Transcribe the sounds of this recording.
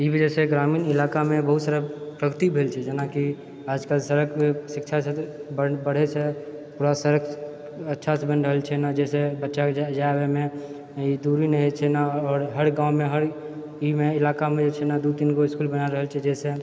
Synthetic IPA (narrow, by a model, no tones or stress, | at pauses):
ibəd͡ʒɛseɡɾamiːnɪlakamẽbəɦut̪səɾapɾəɡət̪ibʱelt͡ʃʰɛd͡ʒənaki | aːd͡ʒkəlsəɾəkʰesɪkt͡ʃʰaset̪bəbəɽ̤et͡ʃʰe | puɾasəɾək | ətːʃʰasebənɾəɦəlt͡ʃʰɛnad͡ʒɛsebətːʃakead͡ʒaebeme | id̪uɾinəɦit͡ʃʰɛnaɔːɾɦəɾɡãːw̃mẽɦəɾ | imeɪlakamẽd͡ʒet͡ʃʰɛnad̪ut̪inkoɪskulbənaɾəɦəlt͡ʃʰɛd͡ʒɛse